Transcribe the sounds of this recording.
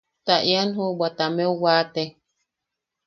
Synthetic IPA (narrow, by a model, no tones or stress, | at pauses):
t̪aʔjanɦubat̪amewate